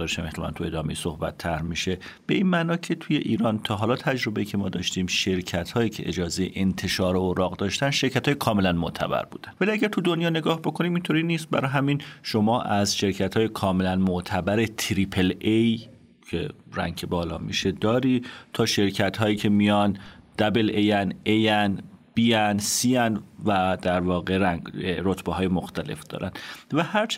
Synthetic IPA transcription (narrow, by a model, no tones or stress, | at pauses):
ɒːɾeʃæmʔeht̪elæ̰nt̪ʰue̞d̪ɒːme̞jesohbæ̰t̪ʰːæɾmiːʃe̞ | b̥e̞ʔiːnmæːnɒːcʰe̞t̪ʰuje̞ʔiːɾɒːnt̪ʰɒːɦɒːlɒːt̪ʰæd͡ʒɾo̞beiːcʰe̞mɒːd̪ɒ̰ʃt̪iːmʃe̞ɾcʰæt̪hɒːjiːcʰe̞̰ʔed͡ʒɒːze̞jḛʔent̪ʰe̞ʃɒːɾeoɾɒːɣd̪ɒːʃt̪ænʃe̞ɾkæt̪ʰɒːjekʰɒːme̞lænmoʔt̪ʰæ̰bæ̰ɾbṵːd̪ænvæliæɟæɾt̪ʰud̪onjɒːne̞ɡɒːhbo̞kʰo̞niːmint̪ʰoɾiːniːst̪̚bæ̰ɾɒjɦæminʃo̞mɒːʔæzʃe̞ɾcʰæt̪hɒːjekʰɒːme̞lænmoʔt̪ʰæbæɾe̞t̪ʰɾiːpʰelej | cʰe̞̰ɾæ̰ŋkʰebɒːlɒ̰ːmḭːʃe̞d̪ɒːɾiːt̪ʰɒːʃe̞ɾcʰæt̪ɦɒːjiːcʰe̞mijɒnd̪̥æbelejænejænb̥iːjænsiːænvæd̪̥æɾvɒːɣe̞ɾæŋɡɾot̪ʰbeɦɒːjemoxt̪æle̞̰fd̪̥ɒ̰ːɾæ̰nvæhæɾt͡ʃʰ